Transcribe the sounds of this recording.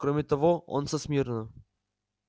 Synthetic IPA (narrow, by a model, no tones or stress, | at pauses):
kɾomʲɪt̪ɐvoo̰nsɐsmʲirnə